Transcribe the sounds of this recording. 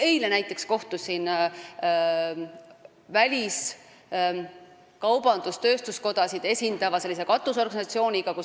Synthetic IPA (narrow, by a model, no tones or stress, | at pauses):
e̞jlenæjt̪ˑːe̞ksko̞ht̪usin | vælʲis | kɑwbɑnd̪̥ust̪ø̞ːst̪usko̞d̪̥ɑsid̪̥e̞sʲind̪̥ɑvɑse̞lːise̞kɑt̪ːˑuso̞rɡɑnisɑt̪sio̞ːnʲiɡ̥ɑku